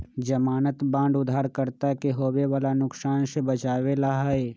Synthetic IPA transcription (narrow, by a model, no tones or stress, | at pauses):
d͡ʒɐmaːnət̪bãːɳɖʊd̪ʱaːɾkəɾt̪akeɦoːweʋaːlanʊksaːnʃəbɐt͡ʃaːwelaɦae